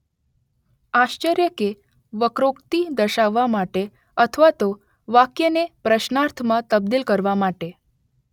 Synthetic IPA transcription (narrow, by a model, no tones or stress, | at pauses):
aɕt͡ʃəɾjəke | ʋəkɾokt̪id̪əʃaʋːamaʈe | ət̪ʰəʋat̪o | ʋakjənepɾəɕnaɾt̪ʰəmãt̪əb̚d̪ilkəɾʋamaʈe